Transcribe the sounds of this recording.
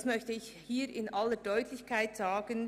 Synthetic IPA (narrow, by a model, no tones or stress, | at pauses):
smœçtəɪç | hiːɾɪnʔalədɔʏtʰlɪçkʰaɪtz̥aːɡ̥ən